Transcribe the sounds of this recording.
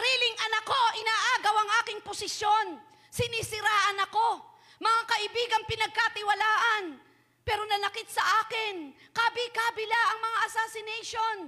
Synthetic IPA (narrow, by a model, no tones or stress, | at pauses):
ɐɾiːlɪŋʔɐnɐko̞ʔɪnaːʔaːɡɐwɐŋʔaːkɪŋposɪsjo̞n | sɪniːsɪɾaːʔɐnɐko̞ | mɐŋakɐʔɪbiːɡɐŋpɪnɐɡ̚kat̪ɪwɐlaːʔɐn | pɛːɾo̞nɐlɐkɪt̪sɐʔaːkɪnkabɪkaːbɪlaʔɐŋmɐŋaʔɐsaːsɪnɛjʃo̞n